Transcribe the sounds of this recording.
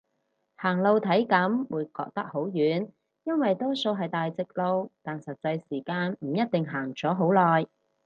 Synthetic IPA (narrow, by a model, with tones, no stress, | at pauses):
haː˨˩ŋlo˧wt̪ʰɐ˨˥jkɐ˨˥mwuː˨˧jkɔ̰ː˧k̚t̪ɐ˥k̚ho˨˥wjyː˨˥n | jɐ˥nwɐ˨jt̪ɔː˥so˧wɦɐ˨jt̪aː˨jt͡sɪ˨k̚lo˧wt̪aː˨nsɐ˨t̚t͡sɐ˧jsiː˨˩kaː˧nm̩˨˩jɐ˥t̚t̪ɪ˨ŋɦaː˨˩ŋt͡sɔː˨˥ɦo˨˥wlɔː˨˩j